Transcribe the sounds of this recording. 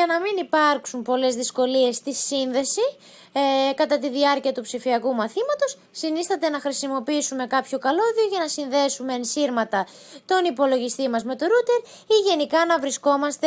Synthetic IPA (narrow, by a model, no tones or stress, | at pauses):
ɐnɐminipɐɾksumpo̞le̞zðisko̞lie̞st̪isinðe̞si | kɐt̪ɐt̪iðiɐɾciɐt̪upsifiɐkumɐθimɐt̪o̞s | sinisθɐt̪e̞nɐxɾisimo̞piisume̞kɐpço̞kɐlo̞ðio̞ʝɐnɐsinðe̞sume̞ːnsiɾmɐt̪ɐ | t̪o̞nipo̞lo̞ʝist̪imɐzme̞t̪o̞ɾut̪e̞ɾ | iʝe̞nikɐnɐvɾisko̞mɐst̪e